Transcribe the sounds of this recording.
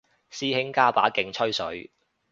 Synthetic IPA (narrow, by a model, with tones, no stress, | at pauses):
siː˥hɪ˥ŋkaː˥pa̰ː˨˥kɪ˧ŋt͡sʰɵ˥ɥsɵ˨˥ɥ